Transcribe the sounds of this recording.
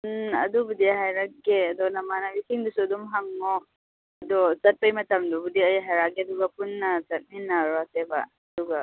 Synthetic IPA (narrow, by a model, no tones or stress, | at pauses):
punɐ̰dubudiɦajɾɐkːeɐdɔnɐmanɐbisiŋdusuɐdumɦɐŋːo | ɐd̪ɔzɐt̚pɐjmɐtɐmdubudiɐjaɦajɾaɡeɐduɡɐpunːɐzɐt̚minːɐɾasebɐ̰ | ɐduɡɐ